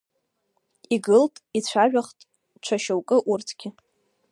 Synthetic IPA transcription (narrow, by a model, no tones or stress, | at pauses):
iɡɨltʼit͡ɕʷʰaʒᶣaχtʼ | t͡ʃʷʰaʃowkʼɨʔurtʰɡ̥ʲɪ